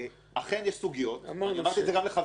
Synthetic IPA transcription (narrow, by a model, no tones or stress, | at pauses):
aχe̞njeɛʃsuɡijot̪amaʁt̪iezeɡamleχav